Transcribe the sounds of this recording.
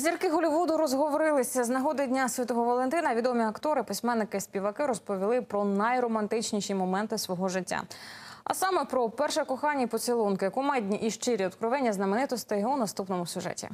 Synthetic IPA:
zʲirkɪɦɔlʲiʋud̪ʊɾɔzɦɔʋɔɾɪlˠɪsʲɐznɐɦɔd̪ɪdʲnʲasʲʋʲit̪ɔɦɔʋɐlˠɛnt̪ɪnɐʋʲid̪ɔmʲiɐkt̪ɔɾɪpɪsʲmɛnːɪkɪspʲiʋɐkɪɾɔspɔʋʲilˠɪpɾɔnɐjrɔmɐnt̪ɪt͡ʃnʲiʃimɔmɛnt̪ɪsʋɔɦɔʒɪtʲːa̰ɐ̰sɑmɛpɾɔpɛrʃɛkɔxɑnʲːipɔt͡sʲilˠɔnkɪjɐkɔmɛjdʲnʲiʔiʃt͡ʃɪɾʲiɔd̪kɾɪʋɛnʲːɐznɐmenɪt̪ɔst̪ɪɦwnɐst̪upnɔmʊsʲʊʒɛ̰tʲḭ

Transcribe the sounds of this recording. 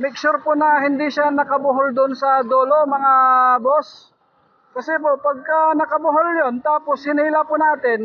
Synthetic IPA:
mɪk̚t͡ʃʊɾpʊnɐhɪnd̪iʃanɐkɐbʊɦold̪ʊnsɐd̪oːlomɐŋabos | kɐsɛpopɐɡ̚kɐnɐkɐbʊɦoljont̪aːposhɪniːlapʊnaːt̪ɪn

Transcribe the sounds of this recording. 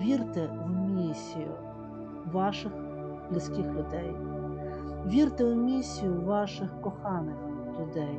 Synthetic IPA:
ʋʲirt̪ɪwmʲisʲijʊ̰ | ʋɑʃɪx | blʲɪsʲkʲixlʲʊd̪ɛj | ʋʲirt̪ɪwmʲisʲːijʊʋɑʃɪxkɔxɑnɪx | lʲʊd̪ɛj

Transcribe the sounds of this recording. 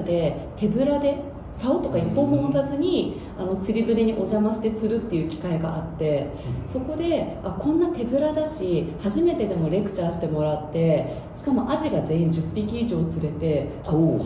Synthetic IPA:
d̪e̞ | t̪e̞bɯ̟ɾad̪e̞ | saot̪o̞kaipːõ̞mond̪azɨɲ̟i | ano̞t͡sɨɾʲibɯ̟ɾʲiɲ̟iʔo̞ʑamaɕi̥t̪e̞t͡sɨɾɯ̟t̪ːe̞jɯ̟ːkʲi̥kaiɡa̰ʔat̪ːe̞ | so̞ko̞d̪e̞akõ̞nːat̪e̞bɯ̟ɾad̪aɕihaʑime̞t̪e̞d̪e̞mo̞ɾe̞kɯ̟̥t͡ɕaːɕi̥t̪e̞mo̞ɾat̪ːe̞ | ɕi̥kamo̞ʔaʑiɡaze̞ːĩɲ̟d͡ʑɨpʲːikʲiːʑo̞ːt͡sɨɾe̞t̪e̞ | a

